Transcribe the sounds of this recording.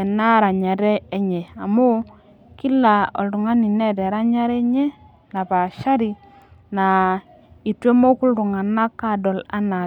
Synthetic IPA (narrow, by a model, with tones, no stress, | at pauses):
ɛ˨na˦ɾa˨ɲa˨ɾɛː˦ɲɛ˨a˨mo˦ | ki˦la˨ɔ̰˨ldu˨ŋa˦ni˨nɛ˦˨dɛ˨ɾa˦ɲa˦ɾɛ˦ɲɛ˦ | na˨pa˨ʃa˦ɾi˨ | na˨ | i˨twe˦mo˦ku˦ldu˨ŋa˨na˦ka˦˨dɔ˨la̰˦na˨